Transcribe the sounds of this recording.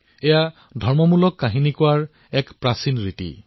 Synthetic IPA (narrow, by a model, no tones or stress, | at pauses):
ɛja | dʱɔɹmɔmulɔkːaɦinikʊaɹ | ɛkpɹasinɹitḭ